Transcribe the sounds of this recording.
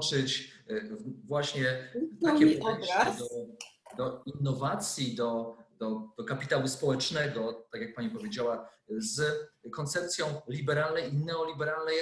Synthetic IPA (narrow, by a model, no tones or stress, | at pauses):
t͡ʂɘt͡ɕ | vwaɕɲɛt̪akʲɛd̪ɔd̪ɔinːɔvat̪sʲjid̪ɔd̪̥ɔd̪ɔkapʲit̪awɘspɔwɛt͡ʂnɛd̪ɔt̪akjak̚paɲipɔvʲjed͡ʑawazkɔnt̪sɛp̚t̪sʲjɔ̃w̃lʲibɛɾalnɛjinɛɔlʲibɛɾalnɛj